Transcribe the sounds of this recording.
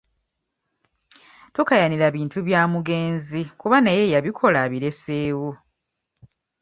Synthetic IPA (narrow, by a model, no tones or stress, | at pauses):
tukajaniɾaβiːntuβjaːmuɡe̞ːnzikuβanaje̞jaβikʰo̞laβiɾe̞seːwo